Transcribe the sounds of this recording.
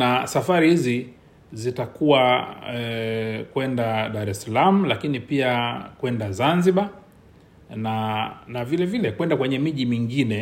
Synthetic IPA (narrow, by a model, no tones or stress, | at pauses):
asafaɾihizi | zitakuwaɛkwɛndaɗaɾɛsalamulakinipiakwɛndazanziɓa | nanavilɛvilɛkwɛndakwɛɲɛmiʄimiŋɡinɛ